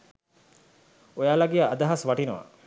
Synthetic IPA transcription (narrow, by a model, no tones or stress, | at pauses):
ojaːlaɡijaːd̪ɐɦasʋaʈinəʋa̰